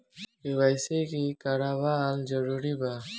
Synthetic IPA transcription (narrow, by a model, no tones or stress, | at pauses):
ebajsekikaɾabald͡ʒəɾuɾiba